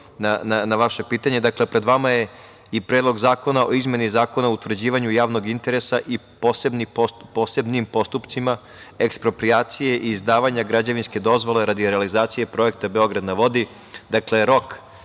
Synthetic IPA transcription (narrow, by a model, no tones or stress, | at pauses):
nananaʋaʃe̞piːt̪aɲe̞d̪aklepɾe̞d̪ʋamaje̞ | ipɾeːd̪lˠo̞ɡzaːko̞naoizme̞nizaːko̞naout̪ʋr̩d͡ʑiːʋaɲujaːʋno̞ɡint̪e̞ɾesaʔiposebnipopose̞bnimpo̞st̪upt̪sima | ekspɾo̞pɾijaːt̪sije̞ʔiːzd̪aːʋaɲaɡɾad͡ʑaʋinske̞d̪o̞zʋo̞le̞ɾad̪iɾealizaːt̪sije̞pɾo̞e̞k̚t̪abe̞o̞ɡɾad̪naʋo̞d̪i | d̪akle̞ɾo̞k